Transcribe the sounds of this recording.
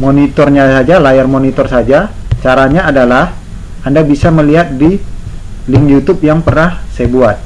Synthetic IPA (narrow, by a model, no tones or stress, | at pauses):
monit̪ɔrɲasad͡ʒalajarmonit̪ɔrsad͡ʒat͡ʃaɾaɲaːdalah | andabisaməliɦat̪̚di | lɪŋjut̪ʊp̚jaŋpərnahsajabuat̪̚